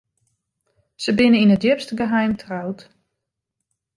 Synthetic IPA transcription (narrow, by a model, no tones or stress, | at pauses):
səbɪnəinət̚djøpstəɡəɦɛjmtʰrawt